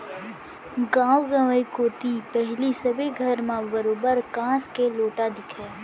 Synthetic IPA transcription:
ɡãːwɡãʋəikoːt̪ipɛɦlisɐbeɡʱɐɾmãbəɾoːbəɾkãːskeloːʈad̪ɪkʰeː

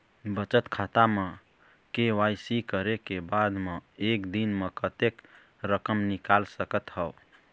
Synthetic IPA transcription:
bət͡ʃət̪kʰat̪ame | kewajsikəɾekebad̪meekd̪inmekət̪ek | ɾəkəmnikalsəkət̪ɦəʊ

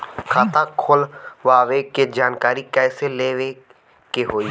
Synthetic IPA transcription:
kʰaːt̪ãkʰoːlʋaːʋeked͡ʒaːnkaːɾikɛːseleːʋe | keɦoːi

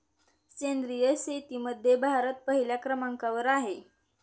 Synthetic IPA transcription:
kend̪ɾijəset̪iːməd̪ʱːjebʱaɾət̪̚pəɦiljakɾəmaŋkaʋəɾaɦe

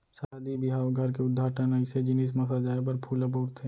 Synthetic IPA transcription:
sad̪ibɪɦaːʋɡʱɐɾkeʊd̪ʱːaːʈʰənaɪsed͡ʒɪniːs̬mɐsad͡ʒaːep̬ɐɾpʰulɐp̬uːɾt̪ʰɦɛ

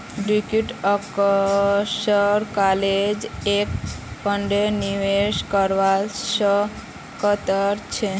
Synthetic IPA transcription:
ɖikuʈɔk | ʃɔɾkaled͡ʑekpɔɳɖeniweʃkɔɾʋaʃɔ | kɔt̪ɔɾt͡ɕʰe

